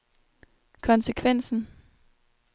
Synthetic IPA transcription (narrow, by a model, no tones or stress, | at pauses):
kʰɒ̽nsəkʰʋen̰sn̩